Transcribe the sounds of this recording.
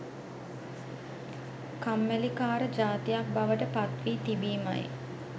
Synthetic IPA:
kamːælikaːɾəd͡ʒaːt̪ijak̚baʋəʈəpat̪ʋiːt̪ibiːma̰j

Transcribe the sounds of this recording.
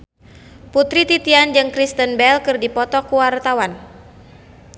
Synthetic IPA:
put̪ɾit̪it̪iand͡ʒɨŋkɾist̪ənbɛlkɨrdipɔt̪ɔkuwart̪awan

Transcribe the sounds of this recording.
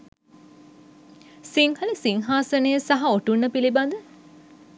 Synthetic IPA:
siŋhɐlisiŋɦaːsənəjəsaɦaoʈunːəpilibad̪ə

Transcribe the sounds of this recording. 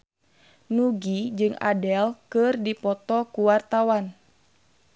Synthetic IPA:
nuɡid͡ʒɨŋa̰dɛlkɨrdipɔt̪ɔkuwart̪awan

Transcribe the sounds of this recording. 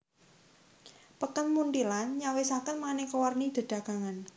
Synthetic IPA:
pəkənmund̪ilanɲawesakənmanekowarnid̪̥ə̤ɖ̪̥a̤ɡ̥aŋan

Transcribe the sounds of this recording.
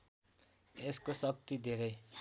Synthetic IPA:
eskosʌk̚t̪id̪ʱeɾʌj

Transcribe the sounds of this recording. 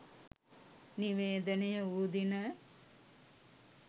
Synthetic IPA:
niʋeːd̪ənejəuːd̪inə

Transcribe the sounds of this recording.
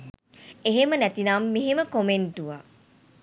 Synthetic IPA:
eɦemənæt̪inamːeɦeməkomenʈuʋa

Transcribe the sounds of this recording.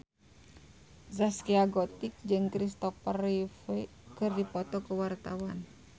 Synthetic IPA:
zaskiaɡɔt̪ik̚d͡ʒɨŋkɾist̪ɔfərife | kɨrdipɔt̪ɔkəwart̪awan

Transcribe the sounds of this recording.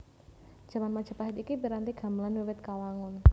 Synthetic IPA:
ʒ̥a̤manmad̥ʒ̥a̤paɦɪt̪ikibiɾant̪iɡ̥a̤məlanwiwɪt̪̚kawaŋʊn

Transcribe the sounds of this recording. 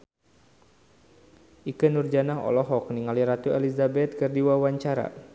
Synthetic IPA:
ʔikənurd͡ʒanaɦɔ̰lɔɦɔk̚niŋaliɾat̪uɛlizabɛt̪̚kɨrdiwawaɲt͡ʃaɾa̰

